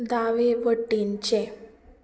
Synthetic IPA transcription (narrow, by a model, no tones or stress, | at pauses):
d̪aʋeʋəʈːint͡ɕẽ